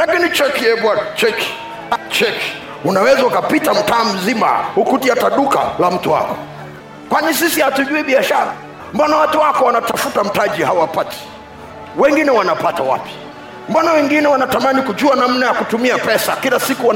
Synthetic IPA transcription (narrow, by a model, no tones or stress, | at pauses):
lakinit͡ʃɛkiɛbwanat͡ʃɛki̥ | at͡ʃɛki̥ | unawɛzaukapitam̩taːm̩zima̰hukutiataɗuka̰lam̩tuwa̰kɔ̥ | kwaɲis̬isihatuʄuiɓiaʃaɾa | m̩banawatuwakɔwanatafutam̩taʄihawapatɛ̥ | wɛŋɡinɛwanapatawa̰pi̥ | m̩banawɛŋɡinɛwanatamanikud͡ʒuanam̩najakutumiapɛsakilasikuwa